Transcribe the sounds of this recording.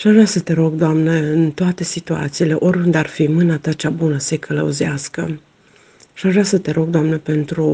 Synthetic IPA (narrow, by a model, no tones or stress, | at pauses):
aʃaʒvɾasət̪e̞ɾo̞ɡd̪oamneɨnt̪oat̪e̞sit̪ua̰t̪siːle̞ʔo̞rʲund̪arfimɨnat̪at͡ʃabunəse̞kʰələṵziaskə̰ | aʃaʒvɾasət̪e̞ɾo̞ɡ̚d̪oamnepe̞nt̪ɾu